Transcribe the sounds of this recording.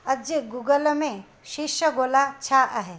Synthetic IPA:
ɐd͡ʒɡuɡəlmẽ | ʃiʃəɡoːlat͡ʃʰaʔaɦe

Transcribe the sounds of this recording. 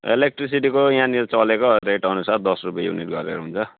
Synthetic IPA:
ḛlek̚ʈris̬iʈikojãnilt͡sʌlekoreʈʌnusard̪ʌsrupjajṵnḭʈ̚ɡʌɾḛɾoɦunt͡sʰʌ

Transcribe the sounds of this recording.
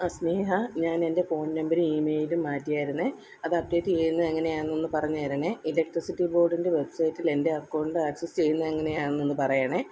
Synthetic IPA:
ɐsne̞ːɦɐɲaːne̞nde̞fo̞ːɳːɐmbɐɾuiːme̞ːjilumːaːtːijaːjiɾunːɨ | ɐðɐb̚de̞ːtːit͡ɕe̞junːɐðeŋːɐne̞jaːenːɨpɐrɐɲːuɐɾɐɳɨilek̚ʈrisitːibo̞ːrɖindeʋe̞bsɐjtːile̞nde̞ɐkːoːɳɖɨɐːksest͡ɕe̞jːunːɐðeŋːɐne̞jaːɳnːenːɨpɐrɐjaːɳɨ

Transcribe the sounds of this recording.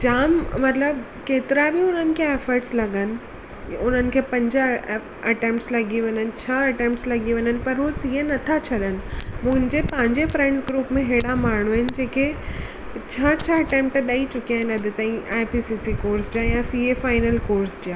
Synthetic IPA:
d͡ʑaːmmɐt̪ləb | keːt̪ɪɾabɪʊn̤ənɪ̆kʰeeːfəɾʈslɐɠənɪ̆ | ʊn̤ənɪ̆kʰeːpɐ̃ɲd͡ʑa | ɐʈẽːmʈslɐɡiʋɐ̃ɲənɪ̆t͡ɕʰɐɐʈẽːmpʈslɐɠiʋẽɲənɪ̆pɐɾɦusienɐt̪ʰat͡ɕʰɐɗənɪ̆mʊ̃ɦɪ̃nd͡ʑepɐ̃ɦɪ̃ɲd͡ʑefɾẽːɳɖsɡɾuːpmẽɦeːɽamaːɳ̤uɪnɪ̆d͡ʑeːke | t͡ɕʰaːt͡ɕʰəɐʈẽːmpʈɗaːit͡ɕʊkijaːɦɪ̃nɐd̪ʱɪt̪ɐ̃ĩaːɪpisisikoːɾsd͡ʑajãsiːefaːɪnəlkoːɾsd͡ʑaː

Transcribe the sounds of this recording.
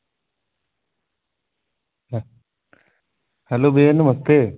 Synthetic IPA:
hɐloːbeːɐnːɨmɐst̪e

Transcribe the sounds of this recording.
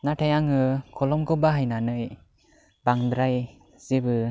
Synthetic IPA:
naʈʰajaŋɯkʰɔlɔmkɯbaɦajnanɯj | baŋd̪ɾaj | z̥ibɯ

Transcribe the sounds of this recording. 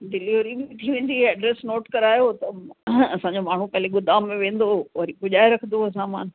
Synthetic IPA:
ɖɪliːʋɾim̃t̪ʰiʋẽːn̆d̪iɛːɖɾesnoːʈkɐɾaːjot̪ɐɐsãɲd͡ʑomaːɳ̤upɐɦleɡʊd̪aːmːẽʋẽːn̆d̪oʋɐɾikʊʄaːeɾɐkʰə̃n̆d̪oɐs̬ãːmaːn

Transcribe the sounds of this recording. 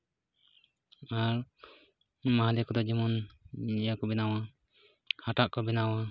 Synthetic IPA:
aɾ | mahad̪ɛkɔd̪ɔd͡ʒɛmɔnɲjakɔbɛnawa | haʈaʔkɔbɛnawa

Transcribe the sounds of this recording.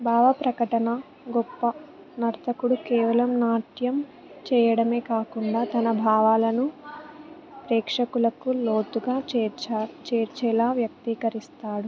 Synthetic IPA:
bʱaːʋɐpɾɐkɐʈɐnɐ | ɡɔpːɐ | nɐɾt̪ʰɐkuɽukɛːʋɐlɐmnaːʈjɐm | t͡ʃɛːjɐɽɐme̞ːkaːkuɳɖaːt̪ɐnɐbʱaːʋaːlɐnu | pɾɛːkʂɐkulɐkulo̞ːt̪uɡaːt͡ʃːt͡ʃat͡ʃɛːɾt͡ʃɛːlaːʋjɐk̚t̪iːkɐɾist̪aːɽu

